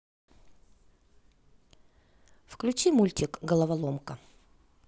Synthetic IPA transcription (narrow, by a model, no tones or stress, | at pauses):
fklʲʉt͡ɕimulʲtʲɪkɡəlˠəvɐlˠomkə